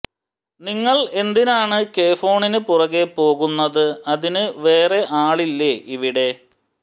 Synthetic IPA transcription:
niŋːɐɭe̞nd̪inaːɳɨke̞ːfo̞ːɳinɨpurɐɣepo̞ːɣunːɐðɨɐðinɨʋe̞ːreʔaːɭilːeʔiʋiɽe̞

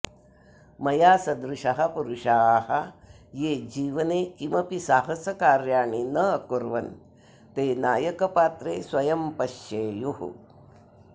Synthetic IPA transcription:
mɐjaːsɐd̪ɾuʂɐɦɐpuɾuʂaːhɐ | jeːd͡ʒiːʋɐneːkimɐpisaːɦɐsɐkaːɾjaːɳinɐɐkuɾʋɐn | t̪eːnaːjɐkɐpaːt̪ɾeːswɐjɐmpɐʃjeːjuhṵ

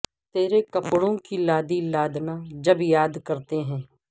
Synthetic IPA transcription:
t̪eːɾekəpɽõkilaːd̪ilaːd̪naːd͡ʒəbjaːd̪kəɾt̪eɦɛ̃ː

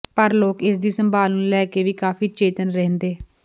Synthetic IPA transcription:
pəɾloːkɪs̬d̪iːsəmbaːlnũːlɛːkeːʋiːkaːfiːt͡ʃeːt̪ənɾɛ̃ːnd̪eː

